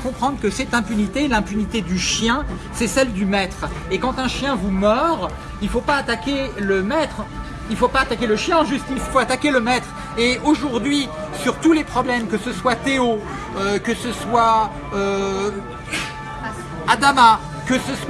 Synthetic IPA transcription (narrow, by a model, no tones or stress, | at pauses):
kɔ̃pχɑ̃d̪ʁəkəsɛt̪ɛ̃pynit̪elɛ̃pynit̪ed̪yʃjɛ̃ | sɛsɛld̪ymɛt̪χekɑ̃t̪ɛ̃ʃjɛ̃vumœʁ | ilfopaːt̪akʲeləmɛt̪χ | ilfopaːt̪akʲeləʃjɛ̃ʒyst̪ilfoat̪akʲeləmɛt̪χ | eoʒuʁd̪ɥisyʁt̪ulepχɔblɛmkəsəswat̪eo | økəsəswa | ø | ad̪ama | kəsəs